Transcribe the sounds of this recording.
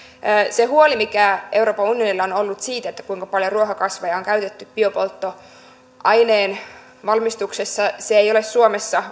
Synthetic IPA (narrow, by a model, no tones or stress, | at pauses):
sehuolimikæʔe̞wro̞ːpɑunijonilːɑonolːut̪siːt̪et̪ːæ̥kuiŋkɑpɑljo̞ruoɦɑkɑsʋɑjɑoŋkæyt̪et̪ːyppiopolt̪ːo | ʔɑjneːn | ʋɑlmist̪uksesːɑseejo̞lesːuomesːɑ